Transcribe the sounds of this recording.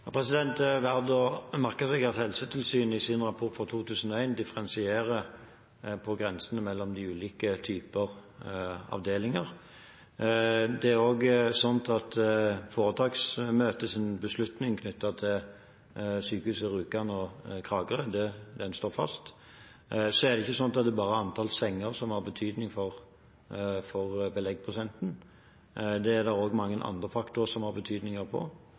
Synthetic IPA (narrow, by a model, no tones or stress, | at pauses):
pʰʁɛsɪd̪ɛnt̪ʋæʁd̪omæʁkəsɛɡɑt̪hɛlsət̪ʰɪlsyːnɪsɪnʁɑpʰʊt̪fɔt̪ʰuːt̪ʰʉːsən̩ɔæɪnd̪ɪfəʁɛnsɪeːʁə | pʰɔɡʁɛnsənəmɛlːɔmd̪ɪʉːliːkət̪ʰyːpəʁ | ɑ̰ʋd̪eːlɪŋɑʁ | d̪ɛæʁoːɡsɔnt̪ʰɑt̪foːʁət̪ʰɑːɡsmøːt̪əsɪnbəslʉt̪nɪŋkʰnʏt̪ːɑt̪ʰɪl | syːkəʉːsəɾʉːkɑnɔkʰʁɑːɡəʁəd̪ɛd̪ɛnst̪oːɾfɑ̰st̪ | sɔæʁd̪ɛɪçːəsɔnɑt̪ɑt̪d̪ɛbɑːʁəɑnt̪ʰɑːlsɛŋːəʁsɔmhɑɾbət̪ʰyːd̪nɪŋfɔʁ | fɔʁbəlɛɡ̚pʰʊsɛnt̪n̩ | d̪ɛæɾd̪ɑɾoːɡmɑŋːənʔɑ̰nd̪ʁəfɑkt̪ʊsɔmhɑɾbət̪ʰyːd̪nɪŋəʁpʰɔ̰